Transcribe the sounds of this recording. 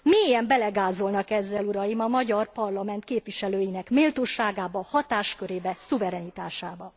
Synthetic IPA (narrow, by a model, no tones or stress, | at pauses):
meːjɛmbɛlɛɡaːzo̞lnɒkɛzːɛluɾɒjimɒmɒɟɒrpɒrlɒmɛnt̪̚keːpʋiʃɛløːjinɛkmeːlt̪oːʃaːɡaːbɒhɒt̪aːʃkø̞ɾeːbɛsuvɛɾɛnit̪aːʃaːbɒ